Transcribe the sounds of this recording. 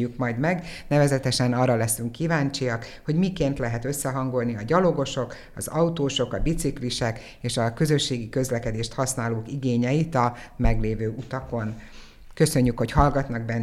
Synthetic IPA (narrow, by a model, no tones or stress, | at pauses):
ykmɒjd̪mɛɡnɛvɛzɛt̪ɛʃɛnɒːrːɒlɛsyŋkːivaːɲt͡ʃijɒkho̞ɟmikeːnt̪lɛɦɛt̪ø̞sːɛɦɒŋɡo̞lniɒɟɒlo̞ɡo̞ʃo̞k | ɒ̰zɒut̪oːʃo̞kɒbit̪sikliʃɛk | eːʃɒkø̞zø̞ʃːeːɡikø̞zlɛkɛd̪eːʃt̪hɒsnaːloːkiɡeːɲɛjit̪ɒmɛɡleːvøːʔut̪ɒko̞n | kø̞sø̞ɲːykho̞chɒlɡɒt̪nɒɡ̚bɛnː